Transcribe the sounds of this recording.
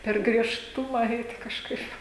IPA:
pʲɛr ɡrʲiɛʃˈtʊmɐ ˈɛɪtʲɪ kɐʃˈkɐɪp

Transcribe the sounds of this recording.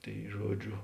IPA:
ˈtɐɪ ˈʒuɔˌd͡ʒʲoː

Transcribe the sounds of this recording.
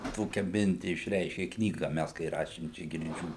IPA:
ˈtoːkʲɛ ˈmʲɪnʲtʲɪ ɪʃʲˈrʲɛɪʃʲkʲeː ˈknʲiːɡɐ ˈmʲæs kɐɪ ˈrɑːʃʲeːm ˈt͡ʃʲɛ ɡʲɪrʲˈd͡ʒʲuː

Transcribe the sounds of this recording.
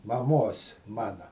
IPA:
mɐˈmoːs ˈmɑːnɐ

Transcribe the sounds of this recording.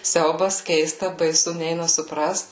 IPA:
ˈsʲɛʊbɐs ˈkʲɛɪstɐ bɐɪˈsʊ ˈnʲɛɪnɐ sʊˈprɐst

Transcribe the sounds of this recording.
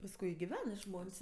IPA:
pɐsˈkʊɪ ɪ ɡʲɪˈʋʲɛn ɪ ˈʒmoːnʲsʲ

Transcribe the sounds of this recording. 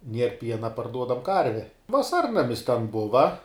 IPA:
ˈnʲiɛr ˈpʲiɛnɐ pɐrˈduɔdɐm ˈkɐrʲʋʲɛ ʋɐˈsɐrnɐmʲɪs tʲɛn ˈbʊʋɐ

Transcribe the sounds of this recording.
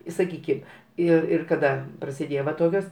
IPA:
ɪ sɐˈkʲiːkʲɪm ˈɪr ɪr kɐˈdɐ prɐsʲɪˈdʲeːjoː ʋɐ ˈtoːkʲoːs

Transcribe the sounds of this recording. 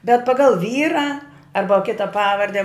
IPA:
bʲɛt pɐˈɡɐlˠ ˈʋʲiːrɐ ˈɐrbɐ ˈkʲɪtɐ ˈpɑːʋɐrʲdʲɛ

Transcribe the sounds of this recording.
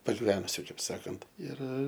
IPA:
pɐɡʲɪˈʋʲæːnʊsʲʊ ˈkɐɪp ˈsɑːkɐnt ɪr

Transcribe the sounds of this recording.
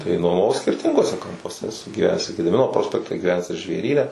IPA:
tɐɪ nuɔmɐˈʋɐʊ sʲkʲɪrʲˈtʲɪŋɡuɔsʲɛ kɐmpuɔˈsʲɛ ɛˈsʊ ɡʲiːˈʋʲæːnʲæːs ɪ ɡʲɛdʲɪˈmʲɪnoː ˈproːsʲpʲɛktʲɛ ɡʲiːˈʋʲæːnʲæːs ɪr ʒʲʋʲeːˈrʲiːnʲɛ

